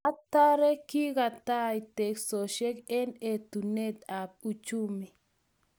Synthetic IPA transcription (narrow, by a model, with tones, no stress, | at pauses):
a˦t̪a˦ɾe˦ki˦ɣa˨t̪a˦jt̪e˨kso˨ʃe˦ke˦net̪u˨ne˦t̪a˨p̚ut͡ʃumi˨